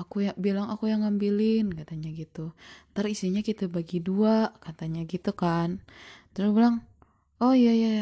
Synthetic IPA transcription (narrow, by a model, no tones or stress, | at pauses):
akujabilaŋakujaŋːambilɪnkat̪aɲaɡit̪ut̪aɾisiɲakit̪abaɡiduaʔkat̪aɲaɡit̪ukant̪əɾʊsbilaŋ | ɔjaja